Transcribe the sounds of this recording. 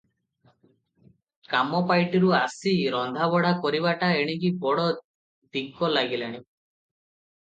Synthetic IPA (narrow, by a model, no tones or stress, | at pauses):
kamɔpajʈiɾuasiɾɔnd̪ʱabɔɽakɔɾiβaʈaeɽ̃ikibɔɽɔ | d̪ikɔlaɡilaɽ̃i